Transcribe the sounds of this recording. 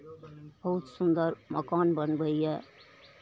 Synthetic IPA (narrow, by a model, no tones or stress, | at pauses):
b̥ʌɦut̪sund̪əɾməkaːnbənbəjje